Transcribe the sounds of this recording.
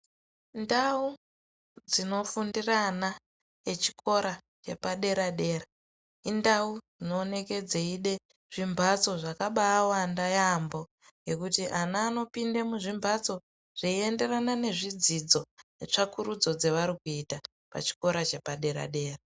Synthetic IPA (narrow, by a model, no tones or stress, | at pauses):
ndau | d͡zino̞fundirana | et͡ʃi̥kʰo̞ɾa | t͡ʃe̞paɗe̞ɾaɗe̞ːra | indaud͡zino̞ːne̞ke̞d͡zeiɗe̞ | ʐ̥imbʱat͡so̞ʐakaɓaːwandajambo̞ | ŋɡe̞kutiʔanaːno̞pindemuʐimbʱat͡so̞ | ʐ̥eie̞nde̞ranane̞ʐid͡zid͡zo̞net͡ʂakuɾud͡zo̞d͡zeʋaɾikuita | pa̰t͡ʃi̥ko̞ɾat͡ʃe̞paɗe̞ɾa̰ɗe̞ːra